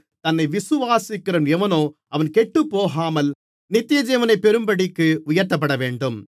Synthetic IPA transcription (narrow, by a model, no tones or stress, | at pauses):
t̪ɐnːɐɪʋɪsɯʋaːsɪkːɪɾɐnɛʋɐnoːʔɐʋɐnkɛʈːɯpːoːɣaːmɐl | nɪt̪ːɪjɐd͡ʒɛːʋɐnɐɪpːɛɾɯmbɐɽɪkːɯʊjɐɾt̪ːɐp̬ːɐɽɐʋeːɳɖɯm